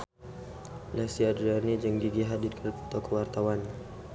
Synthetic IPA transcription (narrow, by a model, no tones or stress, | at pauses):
lasiadɾanid͡ʒəŋdiɡiɦadirkərpu̥t̪ɔkəwart̪awan